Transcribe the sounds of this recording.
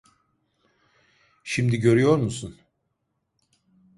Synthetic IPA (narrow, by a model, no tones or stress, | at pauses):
ʃimd̪iɟø̞ɾyjo̞ɾmusun